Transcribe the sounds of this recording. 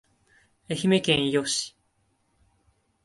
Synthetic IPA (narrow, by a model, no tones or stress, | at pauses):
eçimekẽɰ̃ijoɕi̥